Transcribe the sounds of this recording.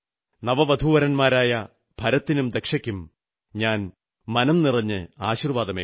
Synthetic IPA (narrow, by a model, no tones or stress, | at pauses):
nɐʋɐʋɐd̪ʱuːʋɐɾɐnmaːɾaːjɐ | b̥ʱɐɾɐt̪ːinumd̪e̞kʂɐkʲːum | ɲaːn | mɐnɐmnirɐɲːɨaːɕirʋaːd̪ɐmeː